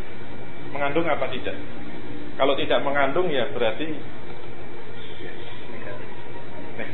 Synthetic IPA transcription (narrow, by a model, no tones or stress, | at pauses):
məŋandʊŋapat̪idaʔ | kalot̪idaʔməŋanɖʊŋjab̥əɾart̪i | n